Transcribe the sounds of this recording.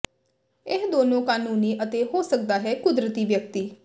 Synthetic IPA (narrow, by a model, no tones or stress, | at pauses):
ɪɦd̪oːnõːkaːnuːniːʔət̪eːɦoːsək̚d̪aːɦɛːkʊd̪ɾət̪iːʋjək̚t̪iː